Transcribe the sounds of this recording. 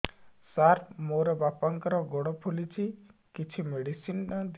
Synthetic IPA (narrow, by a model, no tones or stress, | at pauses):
saɾmoɾɔbapaŋkɔɾɔɡɔɽ̃ɔpʰulit͡ʃʰikit͡ʃʰimeɽisinnad̪